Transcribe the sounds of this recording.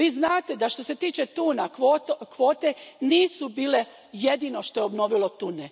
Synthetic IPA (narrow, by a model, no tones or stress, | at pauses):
ʋiːznaːt̪e̞d̪aʃt̪o̞se̞t̪iːt͡ʃe̞t̪uːnaot̪kʋo̞ːt̪e̞niːsubiːle̞ | jed̪ino̞ʃt̪o̞jeobno̞ːʋilˠo̞t̪une